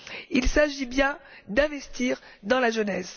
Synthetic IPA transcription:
ilsaʒibjɛ̃d̪ɛ̃vɛst̪ʰiʁd̪ɑ̃laʒənɛs

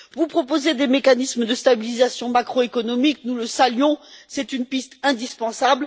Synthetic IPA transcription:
vupχɔpozed̪emekanismd̪əst̪abilizasjɔ̃makχoekɔnɔmiknuləsalɥjɔ̃sɛt̪ynpist̪ɛ̃d̪ispɑ̃sabl

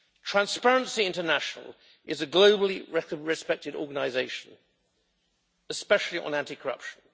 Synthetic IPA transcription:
tʰɹ̥æ̃nspæɹə̃nsiɪ̃ntənæʃnə̰lˠ | ʔɪzəɡləʊbəlˠiɹɛɹɪspɛk̚tɪɾɔ̰ːɡənaɪzeɪʃə̃n | əspɛʃl̩ˠiʔə̰̃næ̃ntikʰəɹʌ̰pʃə̃n̩

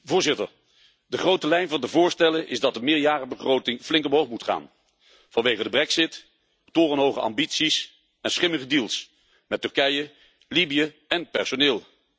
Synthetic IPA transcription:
vʊːɹzɪtəɹ | dəχrowtəlɛjnvɑndəvʊːɹstɛlənʔɪzdɑt̚dəmɪːɹjaːrəbəχrowtɪŋvlɪŋkɔmɦowmutχa̰ːn | v̥ɑnʋejχədəbrɛksɪt | tʊːrənɦowχəɑ̰mbitsis | ɛnsχɪməχədiːlˠs | mɛtʏɹkɛjə | libijə | ɛnpɛ̰ɹsonɪːlˠ

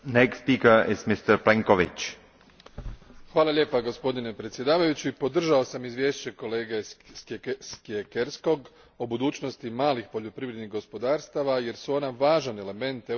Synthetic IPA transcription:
nekst̪piːkəɾɪzmist̪əɾpleŋkoʋɪ̰t͡ʃ | xʋaːlˠalʲʎe̞ːpaɡo̞spo̞d̪ine̞pɾet̪sʲje̞d̪aːʋajut͡ɕuipo̞d̪r̩ʒaosamizʋje̞ːʃt͡ɕe̞ko̞le̞ːɡe | skiekeɾsko̞ɡ | obud̪uːt͡ɕno̞st̪imaːlixpo̞ʎo̞pɾiʋɾe̞d̪niɣɡo̞spo̞d̪aːɾst̪aʋaje̞ɾsuo̞naʋaːʒane̞le̞me̞nt̪e

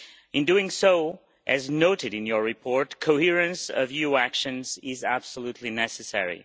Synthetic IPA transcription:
ɨ̃nduɪ̃ŋsoʊ | ʔɨznoʊɾɨɾɨ̃njə˞ɹɨpʰɔɹtkʰoʊhiɹɨ̃nsʌ̰vjuækʃɨ̃nzɪzæb̥səlutʰˡlinɛsɨsɛ̰ɹḭ

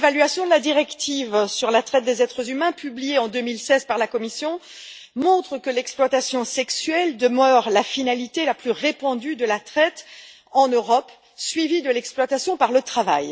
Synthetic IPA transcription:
valɥasjɔ̃d̪əlad̪iʁɛkt̪ivsyʁlat̪χɛt̪̚d̪ezɛt̪χəzymɛ̃pyblijeɑ̃d̪ømilsɛzpaʁlakɔmisjɔ̃ | mɔ̃t̪χəkəlɛksplwat̪asjɔ̃sɛksɥɛld̪əmœʁlafinalit̪elaplyʁepɑ̃d̪yd̪əlat̪χɛt̪ | ɑ̃nøʁɔp | sɥivid̪əlɛksplwat̪asjɔ̃paʁlət̪χava̰j

